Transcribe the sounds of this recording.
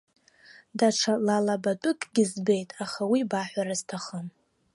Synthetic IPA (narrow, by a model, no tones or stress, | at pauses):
daʈ͡ʂʰalalabatʼʊkʼɡʲɪzbe̞jtʼaχawibaħʷᶣaɾaz̥tʰaχəm